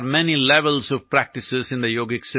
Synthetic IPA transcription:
ɾmɛnilɛʋəlzɔʋpɾæk̚ʈɪsɪzɪ̃nd̪əjoːɡeksɪ

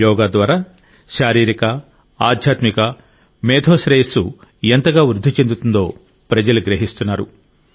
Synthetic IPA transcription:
jɔːɡaːd̪ʋaːɾaː | ʃaːɾiːɾikɐ | a̰ːd̪ʱjaːt̪mikɐ | mɛːd̪ʰoːʃɾeːsuent̪ɐɡaːʋɾud̪ʱːut͡ʃe̞nd̪ut̪und̪o̞ː | pɾɐd͡ʒɐluɡɾeɦist̪unːaːɾu

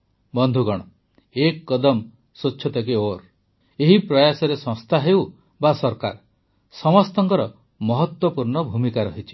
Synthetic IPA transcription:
bɔnd̪ʱuɡɔɽ̃ɔ | ekːɔd̪ɔm | sot͡ʃːʰɔt̪akioɾ | eɦipɾɔjasɔɾesɔ̃st̪ʰaɦew | basɔɾka̰ɾ | sɔmɔst̪ɔŋkɔɾɔ | mɔɦɔt̪wɔpuɾɳɔbʱumikaɾɔɦit͡ʃʰi̥

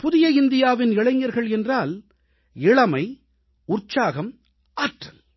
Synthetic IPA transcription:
pʊðɪjɐɪnd̪ɪjaːʋɪnɪɭɐɪŋɡɐɾɣɐɭɛndraːl | ɪɭɐmɐɪ | ʊrt͡ʃaːɣɐm | aːʈrɐl

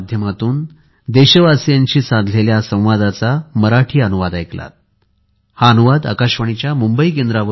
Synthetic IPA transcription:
d̪ʱjəmat̪uːn | d̪eɕəʋasjaɲt͡ɕiːsand̪ʱleljasə̃w̃ʋad̪at͡saməɾaʈʰiːənuʋad̪ajkla̰t̪̚ | haənuʋad̪ə̰kaɕʋəɳ̃it͡ɕjamumbəik̬end̪ɾaʋə

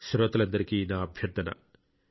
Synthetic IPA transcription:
sɐɾʋɐt̪ɐlɐnd̪ɐɾikiːnaːbʱjɐɾd̪ɐnɐ̰

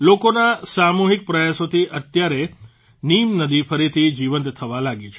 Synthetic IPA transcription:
lokonasamuɦik̚pɾəjasot̪ʰiʔət̪jaɾe | nimnəd̪ifəɾit̪ʰid͡ʒiʋənt̪t̪ʰəʋalaɡit͡ʃʰe

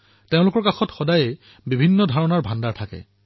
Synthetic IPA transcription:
teʊ̃lʊkɔɹkaxɔtxɔdajɛ | bibʱinːɔdʱaɹɔnaɹbʱandaɹtʰakɛ̰

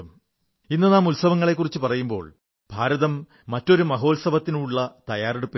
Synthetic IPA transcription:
m | inːɐnaːmulsɐʋɐŋːɐɭe̞kːurit͡ɕːɨpɐrɐjumbo̞̰ːɭ | b̥ʱaːɾɐðɐmː | ɐtːo̞ɾumɐɦo̞ːlsɐbɐt̪ːinuɭːɐt̪ɐjaːreɽupːi

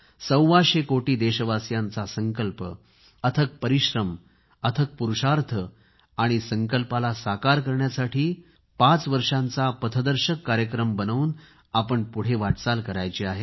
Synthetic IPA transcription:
səwʋaɕekoʈiːd̪eɕəʋasjant͡sasəŋkəlpə | ət̪ʰək̚pəɾiɕɾəm | ət̪ʰək̚puɾuɕaɾt̪ʰə | aɽ̃isəŋkəlpalasakaɾkəɾɳjasaʈiː | pat͡sʋəɾʂãnt͡sapət̪ʰəd̪əɾɕəkːaɾjəkɾəmbənuːn | apəɳpuɽ̤eʋaʈt͡salkəɾajt͡ɕiaɦe

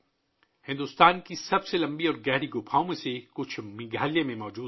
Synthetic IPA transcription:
hɪ̃nd̪ʊst̪aːnkisɐbselɐ̃mbiɔːɾɡɛɦɾiɡopʰaːõmẽsekʊt͡ʃʰmɪ̃ɡʱaːlijẽmẽmɔːd͡ʒuː

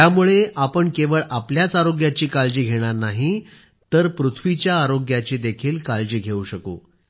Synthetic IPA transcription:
t̪jamuɭeapəɳkeʋəɭʔapljat͡saɾoɡjat͡ɕiːkald͡ʑiːɡʱeɽ̃aɾnaɦi | t̪əɾpɾut̪ʰʋit͡ɕjaːɾoɡjat͡ɕiːd̪ekʰiːlkald͡ʑiːɡʱeuɕəko̰

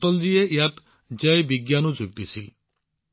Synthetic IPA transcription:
t̪ɔld͡ʒiejat̪ | d͡ʒɛjbiɡjanud͡zuɡ̚d̪isʰil

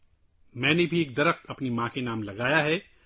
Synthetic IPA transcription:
mɛ̃ːnebʱieːk̚d̪ɐɾəxt̪ɐpnimãːkenaːmlɐɡaːjaɦɛ

